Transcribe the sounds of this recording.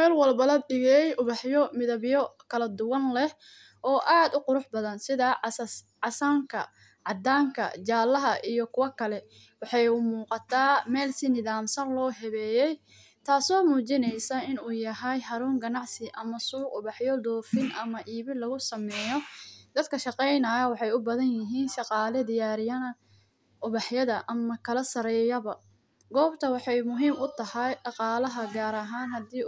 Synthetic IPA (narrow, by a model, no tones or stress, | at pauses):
mɛːlwɑlbɐlɐbɖɪɣɛjʊβɑħjɔmɪðɐβjɔkʰɐlɐd̪ʊwɐnlɛh | ʔɔːʔaːd̪ʊqʊɾʊħbɐðɐnsɪðɐs | ʕɑsaːŋkʰɐ | ʕɑd̪aːŋkʰɐ̰t͡ʃaːlːɐɦɐʔijɔkʰʊwɐkʰɐlɛ | wɑħɑjʊmuːqɑt̪ʰaːmɛːlsɪnɪðaːmsɐnlɔːɦɛβɛːjɛj | t̪ʰaːsɔːmuːt͡ʃɪnɛjsɐɪnuːjɐɦɛjɦɐɾuːŋɡɐnɑʕsɪʔɐmɐsuːqʊβɑħjɔd̪ɔːfɪnʔɐmɐʔiːβɪnlɐɣʊsɐmɛːjɔd̪̥ɐd̪kʰɐʃɑqɛjnɐjɐwɑħɑjʊbɐðɐnjɪɦiːnʃɑqɑːlɛd̪ɪjaːɾɪjɐnɐ | ʔʊβɑħjɐðɐʔɐmɐkʰɐlɐsɐɾɛːjɐβɐ | ɡɔːbt̪ʰɐwɑħɑjmʊɦiːmʊt̪ʰɐhɐjɖɑqɑːlɐɦɐɡaːɾɐɦaːnɦɐd̪iː